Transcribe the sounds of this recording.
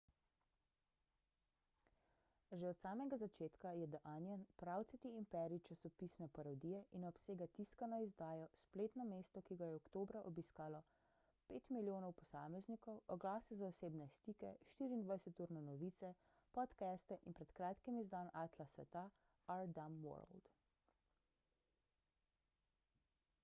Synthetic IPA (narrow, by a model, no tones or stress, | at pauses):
ʒɛɔt̪saːmɛɡazat͡ʃeːt̪kajɛd̪aʔaːnjanpɾawt̪sɛt̪iimpɛɾit͡ʃasɔpiːsnɛpaɾɔd̪ijɛʔinɔpseːɡat̪iskanɔizd̪aːjɔspleːt̪nɔmeːst̪ɔkiɡajɛɔkt̪oːbɾaʔɔbiskaːlɔ | peːt̪miljoːnɔwpɔsaːmɛznikɔwɔɡlaːsɛzaɔseːbnɛst̪iːkɛʃt̪iːɾiːnd̪ʋajsɛt̪uːɾnɛnɔʋiːt̪sɛ | pɔt̪kɛst̪ɛʔinpɾɛt̪kɾaːt̪kimizd̪anaːt̪lasʋɛ̰t̪a | aɾd̪amwɔ̰ɾ̰ld̪